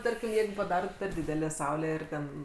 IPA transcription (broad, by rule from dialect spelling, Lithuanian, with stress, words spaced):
ˈtɐrʲkʲɪm ˈjɛɪɡʊ pɐˈdɑːroːt pʲɛr ˈdʲɪdʲɛlʲæː ˈsɐʊlʲæː ˈɪr ˈtʲɛn